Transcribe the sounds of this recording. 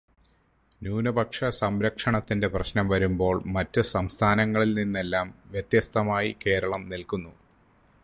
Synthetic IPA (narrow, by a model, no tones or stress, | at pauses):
njuːnɐbʱɐkʂɐsɐmɾɐkʂɐɳɐt̪ːinde̞prɐɕnɐmʋɐɾumbo̞ːɭmɐtːɨsɐmst̪ʰaːnɐŋːɐɭilninːelːaːmʋjet̪jɐst̪ʰɐmaːjike̞ːɾɐɭɐmnilkunːu